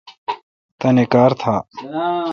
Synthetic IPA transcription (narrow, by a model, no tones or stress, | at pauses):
t̪ɐnekaːɾt̪ʰaː